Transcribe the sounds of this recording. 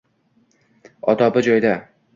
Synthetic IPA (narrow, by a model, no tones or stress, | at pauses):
ɒd̪ɒbɪd͡ʒɒjd̪a